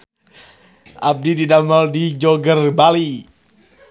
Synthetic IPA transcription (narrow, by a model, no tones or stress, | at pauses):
ʔap̚dididaməldid͡ʒɔɡərbali